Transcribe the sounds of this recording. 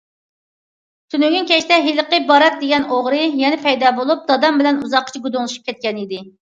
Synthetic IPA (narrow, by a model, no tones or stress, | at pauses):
t̪ʰynyɡʲyŋkʲɛʃt̪ɛɦiləqəbɑɾɛt̪̚d̪eɡʲɛnoʁɾɨjɛnɛpʰɛjd̪ɑːbolˠup̚d̪̥ɑd̪ɑmbɪlɛnuzɑqːə̥t͡ʃʰɛɡud̪oŋlˠʃu̥p̚kʲɛt̪̚kʲɛnid̪ɪ